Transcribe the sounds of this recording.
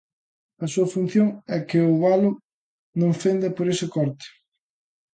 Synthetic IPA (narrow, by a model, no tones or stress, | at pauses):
ɐsuɐfun̟θjoŋɛkɪʊβalʊ | nõŋfend̪ɐpoɾesɪkɔɾt̪ɪ̥